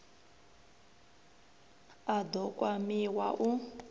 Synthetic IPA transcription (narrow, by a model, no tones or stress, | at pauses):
ad̪ɔkʼwamiwaʔu